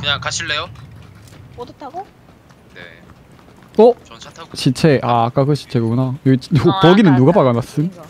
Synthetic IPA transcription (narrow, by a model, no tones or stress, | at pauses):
kɯɲaŋkaɕʰiɭːe̞jo | odʌtʰaɡo | ʌɕit͡ɕʰeʔak͈aɡɯɕʰi̥t͡ɕʰeɡɯkunajoɡit͡ɕpʌɡinɯnːuɡapaɡanas͈ɯn